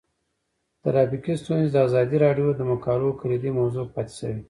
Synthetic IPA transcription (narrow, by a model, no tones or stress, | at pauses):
t̪aɾɑfikist̪unzd̪əazɑd̪iɾɑɖjod̪əmakɑɾokalid̪imawzupɑt̪e̥sawi